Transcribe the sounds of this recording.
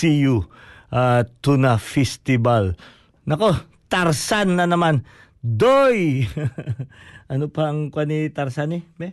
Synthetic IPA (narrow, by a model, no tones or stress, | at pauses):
ijuʔat̪unafɛst̪ɪbal | nɐko | t̪aɾsanːɐnɐman | d̪oj | ʔɐnopaɐŋkwanit̪ɐɾsanɛmɛ